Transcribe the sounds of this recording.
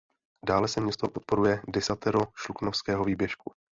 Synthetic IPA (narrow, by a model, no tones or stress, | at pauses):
daːlɛsɛmɲɛst̪opot̪̚po̞ɾujɛdɪsat̪ɛɾoʃluknofskɛːɦoviːbjɛʃku